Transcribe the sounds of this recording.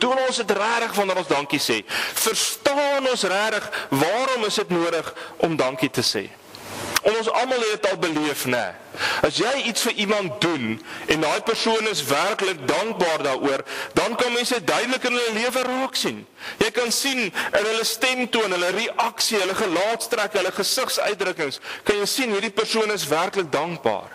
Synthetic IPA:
tunɔnsətræːɾəχvɐnəɾɔ̃nsdɐŋkisɛ̰ːfərstɑːnɔnsræːɾəχvɑːɾɔməsətnuəɾəχʔɔmdɐŋkitəsḛː | ɔnɔnsɐ̰mɐlˠɦɛdətɐlˠbəliəfnɛ̰ | ɐsjɛjitsfəʔimɐnt̚dunɛndɑːjpərsuənəsværklək̚dɐŋk̚bɑːrdɑːɾʔuərdɐnkɐnmɛnsədœɥdələkənɦələliəvəɾuəksin | jɛjkɐnsinənɦələstɛmtuənɦələɾiʔɐksiɦələχəlɑːtstrækɦələχəsəχsœ̰ɥjt̚dɾəkəŋskɐnjɛjsinɦiːrdipərsuənəs̬værklək̚dɐŋk̚bɑ̰ːr

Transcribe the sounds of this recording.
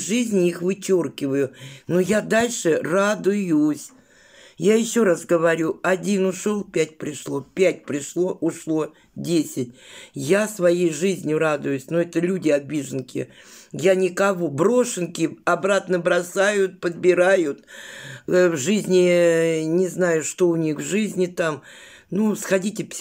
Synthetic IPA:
ʐɨzʲnʲɪixvɨt͡ɕorkʲɪvəjʊnojad̪alʲʂɨrad̪ʊjʊsʲ | jajɪɕːo̞ɾasɡəvɐɾʲuɐdʲinʊʂolˠpʲætʲpɾʲɪʂlˠo̞pʲætʲpɾʲɪʂlˠo̞ʔʊʂlˠo̞ | dʲesʲɪt̚ʲjasvɐjejʐɨzʲnʲjʊɾad̪ʊjʊsʲnoɛt̪əlʲudʲɪɐbʲiʐɨnkʲɪ̰janʲɪkɐvo̞bɾo̞ʂɨnkʲɪɐbɾat̪nəbɾɐsajʊt̪̚pəd̪̚bʲɪɾajʊt̪ | vʐɨzʲnʲɪnʲɪznajʊʂt̪o̞ʊnʲixvʐɨzʲnʲɪt̪am | nusxɐdʲitʲɪpʲ

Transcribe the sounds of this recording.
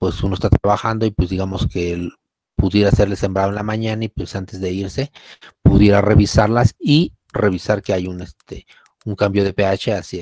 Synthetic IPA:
pwe̞sunoest̪at̪ɾaβaxand̪o̞ipwe̞zd̪iɣamo̞ske̞el | puðje̞ɾaːse̞ɾle̞se̞mbɾaðoenlamãɲanaipwe̞sant̪e̞zðe̞iɾse̞puðje̞ɾare̞βisaɾlasi | re̞β̞isaɾke̞ajune̞st̪e | uŋkambjo̞ðe̞pe̞at͡ʃe̞asi

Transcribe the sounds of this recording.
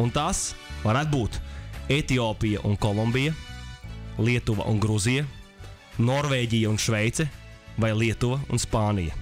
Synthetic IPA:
unt̪asvaɾæt̪̚buːt̪et̪iɔːpijɐ̰ʔṵnkɔlˠɔmbijɐ | lˠiɛt̪uʋɐ̰ʔṵnɡɾuzijɐ | nɔɾveːɟʲijɐunʃvɛjt̪sɛvajlˠiɛt̪uʋɐṵnspaːnijɐ̰

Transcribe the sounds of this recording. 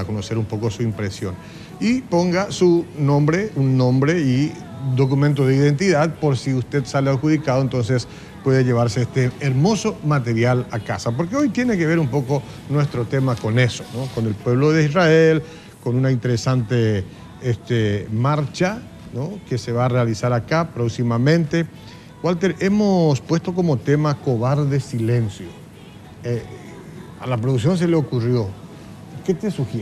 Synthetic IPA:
ako̞nose̞ɾumpo̞ko̞suimpɾesjo̞̰n | ipo̞ŋɡasunõ̞mbɾe̞unːõ̞mbɾe̞i | d̪o̞kumẽnt̪̬oðeiðe̞nt̪iðaðpo̞ɾsiust̪e̞ðsaleaɾxuðikaðo̞ent̪o̞nses | pwe̞ðeʝe̞β̞aɾseest̪eːɾmo̞so̞mat̪eɾjalakasap̬o̞ɾkeojt̪je̞ne̞keβeɾumpo̞ko | nwe̞st̪ɾo̞t̪e̞mako̞ne̞so̞̥nokonelpwe̞βloðeisrael | konunaint̪e̞ɾesant̪e | est̪emaɾt͡ʃa | nokese̞βaːrealisaɾakapɾoksimamẽ̞nt̪e̞ | walt̪eɾe̞mospwe̞st̪o̞ko̞mo̞t̪e̞mako̞βaɾðe̞sile̞nsjo | e | a̰lapɾoðuks̬jo̞ns̬e̞leokurjo̞ | ke̞t̪e̞suxje

